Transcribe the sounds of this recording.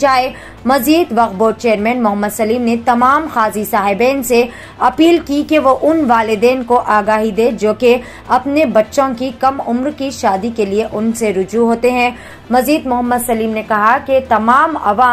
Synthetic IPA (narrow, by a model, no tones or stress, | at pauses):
t͡ʃaːe | mɐziːd̪ʋɐqboːɾ̚t͡ʃeːəɾmɛ̃ːnmʊɦəmːəd̪sɐliːmnet̪ɐmaːmxaːzisaːɦɪbɛːnse | ɐpiːlkikeʋoʔʊnʋaːlɪd̪ɛːnkoʔaːɡaːɦid̪eːd͡ʒoːke | ɐpnebɐtːʃõkikɐmʊmɾkiʃaːd̪ikelieʔʊnseɾʊd͡ʒuɦoːt̪eɦɛ̃ | mɐziːd̪mʊɦəmːəd̪sɐliːmnekɐɦaket̪ɐmaːmɐ̰ʋaː